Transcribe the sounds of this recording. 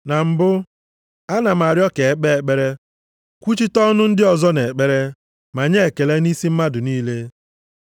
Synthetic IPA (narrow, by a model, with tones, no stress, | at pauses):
na˨m̩˨bʊ˦ | a˦na˨m̩˨a˨ɾjɔ˦ke˨e˦k͡pe˦e˨k͡pe˦ɾe˦ | kʷu˦t͡ʃi˦tɔ˦nʊ˦n̩˦dɪ˦ɔ˨zɔ˦ne˨k͡pe˦ɾe˦ | ma˨ɲe˦e˨ke˨le˦ni˦si˦m̩˦ma˦dʊ˨niː˦le˦